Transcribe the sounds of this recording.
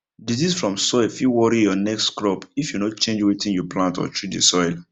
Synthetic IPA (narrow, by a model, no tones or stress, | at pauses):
dizisfɹɔ̃msɔɪlfiwɔɹijɔnɛkstkɹɔpifjunot͡ʃẽnd͡ʒwitĩnjɔplãntɔ̰t͡ʃɹit̚dḛsɔɪl